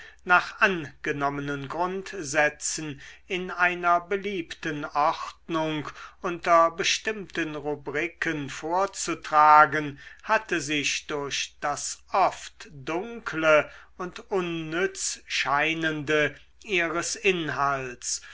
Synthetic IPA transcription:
naːχʔanɡ̥ənɔmənənɡʁʊntzɛt͡sn̩ɪnʔaɪnɐbəliːptənɔχtnʊŋkʔʊntɐbəʃtɪmtənʁubʁikʰənfoːɐt͡sutʁ̥aːɡənhatəzɪɕd̥ʊɐɕd̥asʔɔftd̥ʊŋkʰləʊntʔʊnːʏt͡sʃaɪnəndə | ʔiːʁəsʔɪnɦals

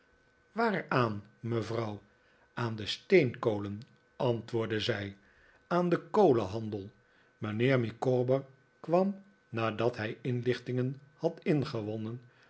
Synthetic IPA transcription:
ʋaːraːnməvrɑw | aːndəstejnkowlən | ʔɑntʋʊːɹdəzɛj | aːndəkowləɦɑndəlˠ | məneːɹmikoːbəɹ | kʋɑm | naːdɑtɦɛjɪnlɪχtɪŋənhɑtɪnχəʋɔnən

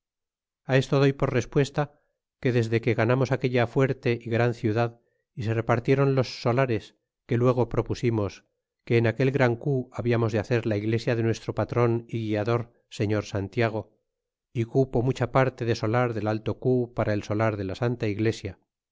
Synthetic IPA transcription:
ae̞st̪o̞ð̞ojpo̞ɾre̞spwe̞st̪a | ke̞ðe̞zðe̞ke̞ɣanamo̞sakeʎafwe̞ɾt̪e̞ʔiɣɾanθjuðað | ise̞re̞paɾt̪je̞ɾo̞nlo̞sːo̞laɾe̞s | ke̞lwe̞ɣ̞o̞pɾo̞pusimo̞s | ke̞ːnake̞lɣɾaŋkuaβiamo̞zðeaθe̞ɾlaiɣle̞sjaðe̞nwe̞st̪ɾo̞pat̪ɾo̞niɣiaðo̞ɾ | se̞ɲo̞ɾsant̪jaɣ̞o̞ | ikupo̞mut͡ʃapaɾt̪e̞ðe̞so̞laɾðe̞lalt̪o̞kupaɾʔaelso̞laɾðe̞lasant̪aiɣle̞sja

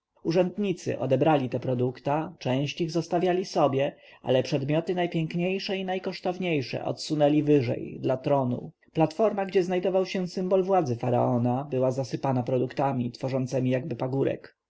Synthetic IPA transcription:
uʐɛnd̪ɲit̪sɘ̰ʔɔ̰d̪ɛbɾalʲit̪ɛpɾɔd̪ukt̪at͡ʂɛ̃w̃ɕt͡ɕiɣzɔst̪avʲjalʲisɔbʲjɛa̰lɛpʂɛd̪mʲjɔt̪ɘnajpʲjɛŋkɲejʂɛinajkɔʂt̪ɔvɲejʂɛ̰ʔɔ̰t̪sunɛlʲivɘʐɛ̰jd̪lat̪ɾɔnṵ | plat̪fɔɾmaɡd͡ʑɛznajd̪ɔvawɕɛsɘmbɔlvwad̪zɘfaɾa̰ɔnabɘwazasɘpanapɾɔd̪ukt̪amʲit̪fɔʐɔnt̪sɛmʲijaɡ̚bɘpaɡuɾɛ̰k

